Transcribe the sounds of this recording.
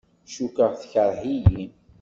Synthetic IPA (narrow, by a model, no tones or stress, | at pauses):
ʃukəʁθçəɾˤhijin